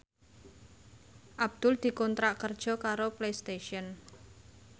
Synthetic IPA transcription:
ʔab̚d̪̥ʊld̪̥i̤kɔnt̪ɾaʔkərd̥ʒ̥ɔ̤kaɾoplejst̪eʃiɔn

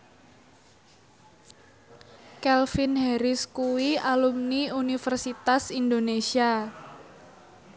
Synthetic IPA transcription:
kɛlfɪnɦɛɾɪskuwialumniunifərsit̪asind̪onesia

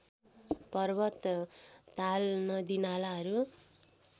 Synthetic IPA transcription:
pʌrbʌt̪ː | alnʌd̪inalaɦʌɾu

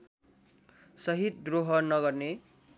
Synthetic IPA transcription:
sʌɦit̪̚d̪roɦʌnʌɡʌrne

